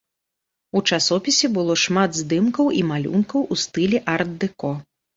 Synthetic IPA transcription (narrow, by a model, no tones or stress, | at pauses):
ut͡ʂasɔpʲisʲɛbɨlˠɔʂmad̪zd̪ɨmkɐwʔimalʲṵnkɐwʔust̪ɨlʲɛʔard̪ːɨkɔ